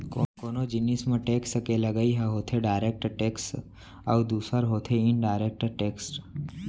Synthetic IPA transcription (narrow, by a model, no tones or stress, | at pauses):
kokoːnod͡ʒɪnismẽʈeːksəkeləɡəiɦaɦoːt̪ʰeɖaːɪɾek̚ʈʈeːksʈ | awd̪uːsəɾɦoːt̪ʰeɪnɖaːɾek̚ʈʈeːksʈ